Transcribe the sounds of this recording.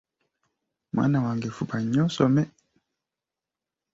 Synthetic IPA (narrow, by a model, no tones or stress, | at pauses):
mwʔa̰nawaŋɡefupʰaɲɔsɔmɛ